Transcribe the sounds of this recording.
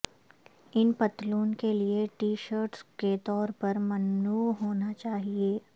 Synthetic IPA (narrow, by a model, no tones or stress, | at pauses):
ɪnpɐt̪luːnkelieʈiːʃəɾʈsket̪ɔːɾpɐɾmɐnːuːɦoːnat͡ʃaːɦieː